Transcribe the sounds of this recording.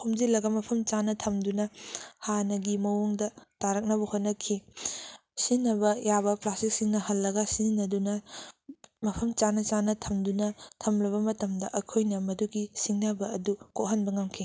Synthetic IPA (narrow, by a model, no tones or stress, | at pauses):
homd͡ʒilːɐɡɐmɐpʰɐmt͡ʃanɐtʰɐmdunɐhanɐɡimɐwuŋdɐtaɾɐk̚nɐbɐhot̚nɐkʰi | sinːɐbɐjabɐplastik̚siŋnɐhɐlːɐɡɐsinɐdunɐ | mɐpʰɐmt͡ʃanɐt͡ʃanɐtʰɐmdunɐtʰɐmlɐβɐmɐtɐmdɐʔɐkʰojnɐmɐduɡisiŋnɐbɐːdukoʔɦɐnbɐŋɐmkʰi